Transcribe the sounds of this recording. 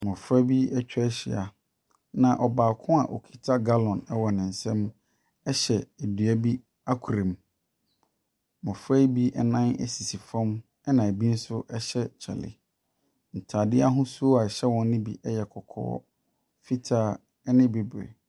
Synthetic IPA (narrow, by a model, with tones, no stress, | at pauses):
mɔ̃˨fɾa˦bi˦ɛ˦t͡ɕᶣɕɪ̰˨a̰˨ | nã˨ʔɔ˨baː˨kʰʊ̃˦a̰˨ʔɔ˨kʰi̥˨tʰa˦ɡa˦lɔ̃˨nɛ˦wɔ˨nɪ̃˨n̩˨sɛ̃˦m | ɛ˦ɕɛ˨e˨dɥæ˦bi˦ | a˦kʰu˨ɾẽ˨m | mɔ̃˨fa˦bi˦ʔɛ˦nã˦nɛ̰˦si˨si˨fɔ̃˦m | ɛ˦nã˨bi˦n̩˦sʊ˦ʔɛ˦ɕɛ˦t͡ɕʰɛ̰˨lɪ̰˨ | n̩˨tʰaː˨dɪ˦a˦ɦʊ̃˦su˦o˦a˨ɕɛ˦wɔ̃˨nː˦ɪ̃˦bi˨ʔɛ˦jɛ˨kʰɔ˨kʰɔ̰ː˦ | fi˦tʰaː˦ | ɛ˦nɪ̃˦be˨bɾḛ˨